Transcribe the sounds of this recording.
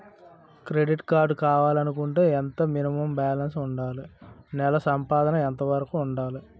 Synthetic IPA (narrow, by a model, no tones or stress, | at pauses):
kɾeɖiʈkaːɾɖkaːʋaːlɐnukuɳʈuːɛnt̪ɐminimɐmbaːlɐnsuɳɖaːlunɛlɐsɐmpaːd̪ɐnɐɛnt̪ɐʋɐɾɐkuːɳɖaːlu